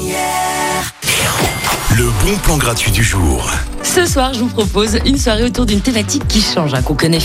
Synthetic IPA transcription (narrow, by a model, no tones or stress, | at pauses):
ləbɔ̃plɑ̃ɡʁat̪ɥid̪yʒuːʁ | səswaʁʒəvupχɔpozynswaʁeot̪uʁd̪ynt̪emat̪ikːiʃɑ̃ʒɛ̃kɔ̃kɔnɛ